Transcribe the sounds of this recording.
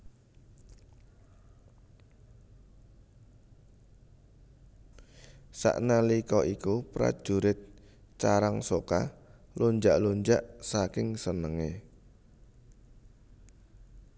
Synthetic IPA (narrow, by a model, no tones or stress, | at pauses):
sa̰ʔnalikɔʔikupɾa̰d̥ʒ̥uɾɪt̪̚ | t͡ʃaɾaŋsoka̰ | luɲd͡ʒaʔluɲd͡ʒaʔsakɪŋsənəŋe